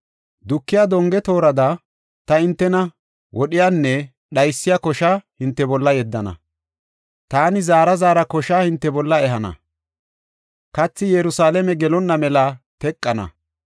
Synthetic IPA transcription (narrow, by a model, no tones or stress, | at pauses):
d̪ʊkːɪjad̪ɔŋɡɛt̪o̞ːɾɐd̪ɐ | t̪ɐɪnt̪ːɛnɐ | wʔɔɗɪjaːnːɛ | ɗɐjsːɪjakɔʃahɪnt̪ːɛbɔlːɐjɛd̪ːɐnɐ̰ | t̪aːnɪzaːɾɐzaːɾɐkɔʃaːhɪnt̪ːɛbɔlːɐɛɦɐnɐ̰ | kɐt͡sːɪjɛɾʊsaːlɛmɛɡɛlɔnːɐmɛlɐt̪ɛkʼːɐnɐ̰